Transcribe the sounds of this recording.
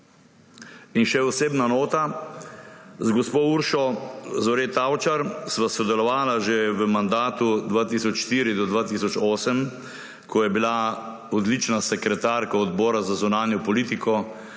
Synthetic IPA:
inʃɛɔseːbnanoːt̪a | zɡɔspouɾʃɔzɔɾet̪awt͡ʃaɾsʋasɔd̪ɛlɔʋaːlaʒeʋəmand̪aːt̪ud̪ʋat̪isɔt͡ʃʃt̪iːɾid̪ɔd̪ʋaːt̪isɔt͡ʃoːsəm | kʰɔjɛbila | ɔd̪lit͡ʃnasɛkɾɛt̪aːɾkaɔd̪bɔːɾazazunaːnjɔpɔliːt̪ikʰɔ

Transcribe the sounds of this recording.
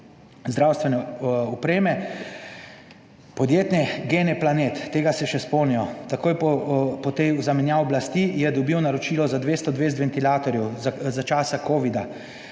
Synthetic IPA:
zd̪ɾawst̪ʋɛnɛupɾeːmɛ | pɔd̪jeːt̪nɛɡenɛplaneːt̪ːeːɡasɛʃɛspoːnijɔt̪akoːjpɔpɔt̪ejuzamɛnjawɔblast̪ijɛd̪ɔbiwnaɾɔt͡ʃiːlɔzad̪ʋeːst̪ɔd̪ʋeːst̪ʋɛnt̪ilaːt̪ɔɾjɛwzat͡ʃaːsakoːʋid̪a

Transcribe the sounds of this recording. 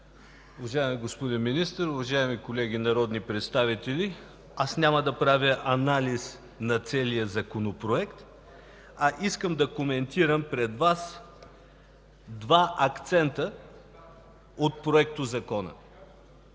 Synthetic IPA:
ʊvɐʒaɛmiɡospod̪inminist̪əɾʊvɐʒaɛmikolɛɡ̟ʲinɐɾɔd̪nipɾɛt̪st̪avit̪ɛli | asnʲaməd̪ɐpɾavʲjəʔɐnalis | nɐt̪sɛlijəzɐkonopɾoɛkt̪ | ɐʔiskəmd̪ɐkomɛnt̪iɾəmpɾɛd̪vas | d̪vaʔɐkt̪sɛnt̪ə | ot̪̚pɾoɛk̚t̪ʊzɐkɔnə̰

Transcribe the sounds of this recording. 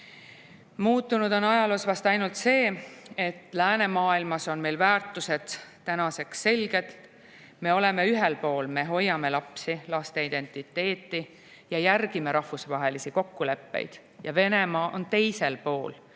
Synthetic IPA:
muːt̪ːˑunud̪̥o̞nɑjɑlusvɑst̪ɑjnult̪se̞ːe̞t̪ːˑlæːne̞mɑːilmɑso̞nme̞jlvæːrt̪ːˑuse̞d̪̥t̪ːænɑse̞ksːe̞lɡ̥e̞d̪̥ | me̞o̞le̞me̞yɦelpo̞ːlme̞ɦo̞jːɑme̞lɑpsilɑst̪e̞id̪e̞nt̪ˑit̪ːˑe̞ːt̪ːˑi | jɑjærɡime̞ɾɑhvusvɑɦe̞lisiko̞kːule̞pːḛjd̪̥ | jɑve̞ne̞mɑːʔo̞̰nt̪e̞jse̞lpo̞ːl

